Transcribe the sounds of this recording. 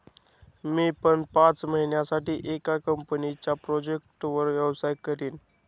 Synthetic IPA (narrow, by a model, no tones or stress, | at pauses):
miːpəɳpãt͡sməɦinjasaʈiːʔekakəmpnit͡ɕjapɾɔd͡ʑek̚ʈʋəɾʋjɛwsajkəɾiːn